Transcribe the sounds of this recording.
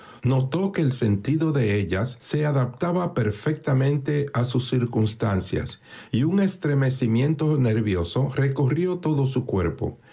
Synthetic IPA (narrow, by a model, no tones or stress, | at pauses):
no̞t̪o̞ke̞ːlse̞nt̪iðo̞ðe̞e̞ʎasːe̞aðap̚t̪aβape̞ɾfe̞k̚t̪amẽ̞nt̪e̞asusːiɾkunst̪ansja̰siuŋe̞st̪ɾe̞me̞simjẽ̞nt̪o̞ne̞ɾβjo̞so̞re̞korjo̞t̪o̞ðosukwe̞̰ɾpo̞̰